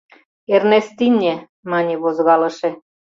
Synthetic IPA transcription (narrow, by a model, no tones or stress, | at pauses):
ernest̪inʲːe | mɑnʲeβozɣɑlɤ̆ʃĕ